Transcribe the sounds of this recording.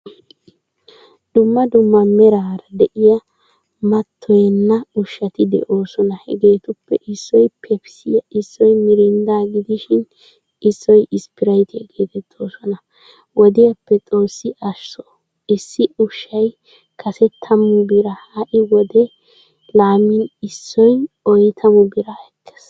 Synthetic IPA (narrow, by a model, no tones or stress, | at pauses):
d̪ʊmːɐd̪ʊmːɐmɛɾaːɾɐd̪ɛʔɪjɐ | mɐt̪ʰːɔjɛnːɐʊʃːɐt̪ɪd̪ɛ̰ʔo̞ːsɔnɐhɛ̰ɡe̞ːt̪ʊpːɛʔɪsːɔjpʰɛpsɪjɐɪsːɔjmɪɾɪnd̪aːɡɪd̪ɪʃɪn | ɪsːɔjɪspɪɾɐjt̪ɪɐɡeːt̪ɛt̪ʰːoːsɔnɐ | wɔd̪ɪjɐpːɛt͡sʼo̞ːsːɪʔɐʃːɔ | ɪsːɪʊʃːɐj | kʰɐsɛt̪ʰːɐmʊbɪɾɐhaʔɪwɔd̪ɛ | laːmɪnɪsːɔj | ɔjt̪ʰɐmʊbɪɾɐhɛt̪ʰːe̥s